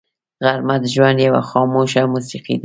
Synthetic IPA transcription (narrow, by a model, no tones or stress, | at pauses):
ɣaɾmat̪ʒwanjawa̰xɔmuʃamusiqḭd̪